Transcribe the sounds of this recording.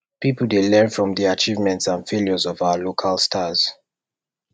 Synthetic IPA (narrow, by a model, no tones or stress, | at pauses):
pipl̩ˠdelɛ̃nfɹɔ̃mdiat͡ʃivmɛ̃ntsãnfeljɔzɔvaʊalokʰalˠstʰaz̥